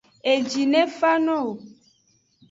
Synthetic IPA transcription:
e˨d͡ʒi˨nɛ̃˦fa˦nɔ̃˦˨o˨

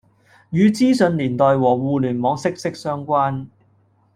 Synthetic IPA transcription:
jyː˨˧t͡siː˥sɵ˨˧nliː˨˩nt̪ɔː˨jwɔː˨˩ŋwuː˨˧lyː˨˩nmɔː˨˥ŋsɪ˥k̚sɪ˥k̚sœː˥ŋkʷaː˥n

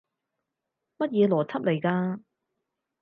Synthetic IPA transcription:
mɐ˥t̚jɛː˨˧lɔː˨˩t͡sʰɐ˥p̚le˨˩jkaː˧

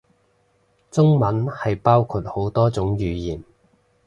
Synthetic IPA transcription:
t͡sʊ˥ŋmɐ˨˥nhɐ˨jpaː˥wkʰu˧˩t̚ho˨˥wt̪ɔː˥t͡sʊ˨˥ŋjyː˨˧jiː˨˩n

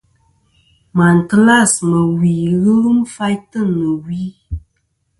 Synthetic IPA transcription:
ma˨n˨tla˦˨smə˨wi˨ɣɨ˦lɨ˦mfa˦jtɨ˦˨nɨ˨wi˦

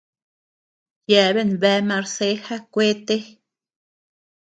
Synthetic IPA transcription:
jɛ˧be˦˨nbɛ˧ma˧ɾse˧˦xa˦kʷe˦t̪e˦

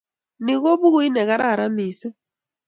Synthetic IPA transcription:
ni˨ɣɔ˦βu˦ɣu˨˦i˦nɛ˨ka˦ɾa˦a˨ɾa˦miː˨sɛ˦

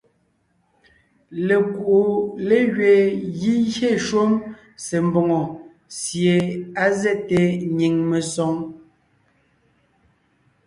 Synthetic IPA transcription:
le˨ku˨ʔo˨le˦ɣɥe˨ɣi˦ɣe˦˨ʃwo˦m | se˨m̩˨bɔ˨ŋɔ˨ | sje˨a˦zɛ˦te˨ɲi˨ŋme˨sɔ˨˦ŋ

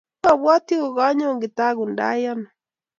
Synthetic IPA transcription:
a˨βwa˦t̪i˦o˨ɣa˦ɲo˦ŋɡɪ˨ta˦ɣu˨nda̰˦ja˦nɔ˨

